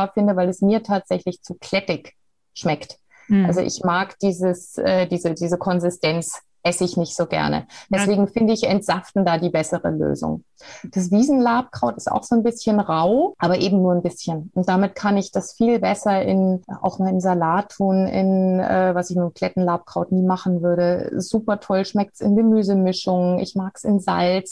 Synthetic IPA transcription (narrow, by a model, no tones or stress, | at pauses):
fɪndəvaɪlɛsmiːɐtʰaːtz̥ɛçlɪçt͡suːkʰl̥ɛtɪç | ʃmɛkt | ʔalzoʔɪ̰çmaːkd̥iːzəsʔɛːdiːzədiːzəkʰɔnzɪstʰɛnt͡s | ʔɛsəɪçnɪçtz̥oːɡɛ̰ɐnə̰d̥ɛsv̥eːɡŋ̩fɪndəɪçɛntz̥aftn̩daːdiːbɛsəʁə̰lø̰ːzʊ̰ŋ | d̥as̬v̥iːzn̩laːp̚kʁ̥aʊtɪ̥sta̰ʊxz̥oːnbɪsçənʁaʊʔaːbɐʔeːbm̩nuːɐnbɪsçənʊnt̚d̥amɪtkʰanɪçd̥asfiːlbɛsɐɪ̰nʔa̰ʊxmaːlɪnzalaːtʰːuːnɪ̰nʔɛ̰ːvasɪçnuːkʰl̥ɛtn̩laːp̚kʁ̥aʊtniːmaχn̩vʏɐɾəzuːpɐtʰɔlʃmɛk̚tsɪnɡəmyːzəmɪʃʊŋɪ̰çmaːksɪnza̰lt͡s